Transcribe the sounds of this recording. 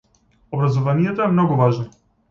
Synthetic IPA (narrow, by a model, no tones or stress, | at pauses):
obɾazɔvanijɛt̪oɛmnɔɡuvaʒnɔ